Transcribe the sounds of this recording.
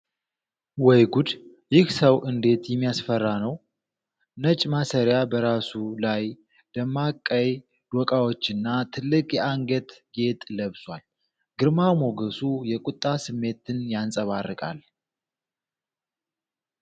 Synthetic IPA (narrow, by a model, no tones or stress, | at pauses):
wɔjɡud̪ | jɪhsəwʔɨnd̪e̞t̪jɛmːijasfərːanəw | nət͡ʃʼmasəɾjabəɾasulaj | d̪̥əmːakʼːəj | d̪̥okʼawot͡ʃːɨnːat̪ʰɨlːɨkʼjɛaŋɡət̪ɡe̞t̪ʼləβswʷal | ɡ̥ɨɾmamo̞ɡəsujɛkʼut̪ʼːasɨmːe̞t̪ɨnjansʼəβarːɨkʼa̰l